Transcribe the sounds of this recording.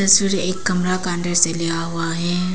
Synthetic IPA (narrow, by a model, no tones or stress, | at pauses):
t̪ɐsʋiɾeːkːɐmɾakaə̃nɖəɾselɪjaɦʊaɦɛː